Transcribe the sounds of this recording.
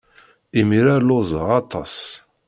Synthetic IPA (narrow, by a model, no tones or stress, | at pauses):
imiɾaɾlozˤəʁɑt̪ˤːɑs